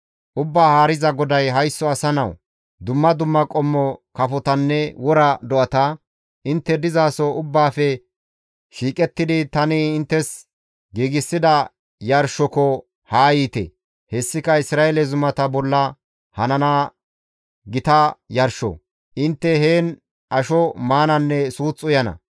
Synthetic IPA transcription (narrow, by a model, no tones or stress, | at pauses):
ʔʊbːaːhaːɾɪzɐɡɔd̪ɐjɦɐjsːɔɐsɐnɐw | d̪ʊmːɐd̪ʊmːɐkʼɔmːɔkɐfɔt̪ɐnːɛwɔɾɐd̪ɔʔɐt̪ɐ | ʔɪnt̪ːɛd̪ɪzaːsɔʊbːaːfɛ | ʃiːkʼɛt̪ːɪd̪ɪt̪ɐnɪɪnt̪ːɛs | ɡiːɡɪsːɪd̪ɐ | jɐɾʃɔkɔ | haːjiːt̪ɛ̰ | hɛsːɪkɐɪsɾaːɛlɛzʊmɐt̪ɐbɔlːɐ | hɐnɐna | ɡɪt̪ɐjɐɾʃɔ̰ | ʔɪnt̪ːɛɦeːn | ʔɐʃɔmaːnɐnːɛsuːt͡sʼːʊjɐnɐ̰